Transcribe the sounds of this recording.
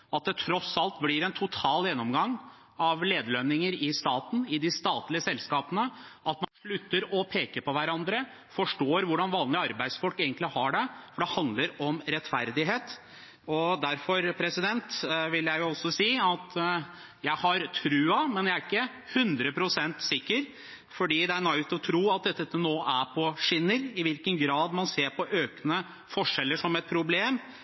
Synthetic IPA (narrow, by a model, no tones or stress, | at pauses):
ɑt̪̚d̪ɛt̪ʰɾɔsɑlt̪blɪɾɛnt̪ʰʊt̪ʰɑːljɛnːɔmɡɑŋː | ɑʋleːd̪əlœnːɪŋəɾɪst̪ɑːt̪n̩ɪd̪ɪst̪ɑːt̪lɪəsɛlskɑːpənəʔɑt̪mɑnʂɭʉt̪ːəɾɔpʰeːkəpɔʋæɾɑnd̪ɾə | fɔʂʈoːɾʋʊɖɑnʋɑːnlɪɑɾbæɪd̪sfɔlkeːɡənt̪lɪhɑɖɛfɔɖɛhɑnd̪ləɾɔmɾɛt̪fæɾd̪ɪɦeːt̪ | ɔd̪æɾfɔɾpʰɾɛsɪd̪ɛnt̪ʋɪljæɪjʊɔsɔsiːɑt̪ | jæɪhɑɾt̪ʰɾʉːɑmɛnjææɾɪkːə | hʉnd̪ɾəpʰɾʊsɛnt̪sɪkːəɾ | fɔɖiːd̪ɛæɾnɑɪt̪ɔt̪ʰɾuːɑt̪̚d̪ɛt̪ːɛt̪ːənoːʔæpʰɔʂɪnːəɾɪʋɪlkənɡɾɑːd̪mɑnseːɾpʰɔʔøːkənə | fɔʂɛlːəʂɔmɛt̪̚pʰɾʊbleːm